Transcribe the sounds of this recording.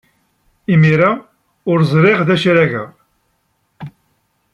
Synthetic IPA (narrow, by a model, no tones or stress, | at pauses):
imiɾa | ʊɾzˤɾˤɪʁðæʃɾæɣə̰ʁ